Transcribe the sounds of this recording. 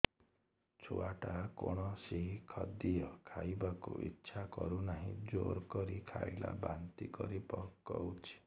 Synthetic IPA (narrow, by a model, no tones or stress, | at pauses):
t͡ʃʰuaʈakoɽ̃ɔseɦikʰɔd̪ijɔkʰajbakuʔitːʃʰakɔɾunaɦĩd͡ʒoɾkɔɾikʰaila̰bant̪ikɔɾipɔkːɔut͡ʃʰi̥